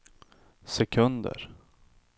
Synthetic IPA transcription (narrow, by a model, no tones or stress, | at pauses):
sɛkʰɵnd̪ə̰ɾ